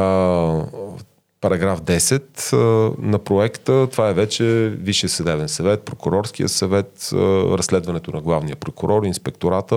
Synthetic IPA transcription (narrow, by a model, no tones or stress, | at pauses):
pɐɾɐɡɾafd̪ɛsɛt̪ | nɐpɾoɛkt̪ət̪ovaɛvɛt͡ʃɛviʃiəsvɛd̪ɛvɛnsɐvɛt̪̚pɾokʊɾɔɾskijə̰sɐvɛt̪ɾɐsːlɛd̪vɐnɛt̪onɐɡlˠavnijəpɾokʊɾɔɾinspɛk̚t̪oɾat̪ə